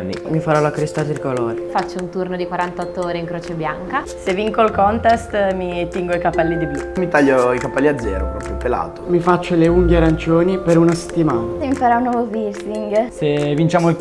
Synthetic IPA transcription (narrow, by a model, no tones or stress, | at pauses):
nːḭmifaɾɔlakɾest̪at̪irkoloːɾefat͡ʃːount̪urnod̪ikwaɾant̪ɔt̪ːooːɾeiŋkɾoːt͡ʃebjaŋka | sevːiŋkolkɔnt̪est̪mit̪ːiŋɡoikapɛlːid̪ibumit̪aʎːoikapɛlːiad̪zːɛ̰ːɾo̰pɾɔpɾjopela̰lt̪omifat͡ʃːoleuŋɡeɾant͡ʃoːnipeɾunase̥t̪ːimaːnasemifaɾɔunːwɔvoviɾsiŋɡsevint͡ʃaːmoi